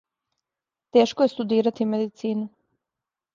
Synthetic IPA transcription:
t̪e̞ːʃkojest̪ud̪iːɾat̪imed̪it̪siːnu

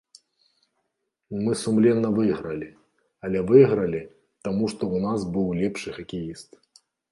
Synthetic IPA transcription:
mɨsumlʲɛnːɐvɨɣɾɐlʲi | ɐlʲɛvɨɣɾɐlʲi | t̪amuʂt̪ɔunasbɨwlʲɛpʂɨxɐkʲijist̪

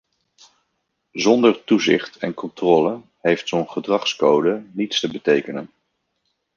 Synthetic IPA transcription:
zɔndəɹtuzɪ̰χtɛ̰nkɔntrɔːlə | ɦejftsownχədrɑχskowdənitstəbətejkənən

